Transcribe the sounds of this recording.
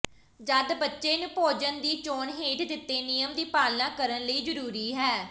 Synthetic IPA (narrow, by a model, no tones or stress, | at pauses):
d͡ʒad̪bətːʃeːnʊpoːd͡ʒənd̪iːt͡ʃoːɳɦeːʈd̪ɪt̪ːeːnijəmd̪iːpaːlnãːkəɾənləiːd͡ʒəɾuːɾiːɦɛː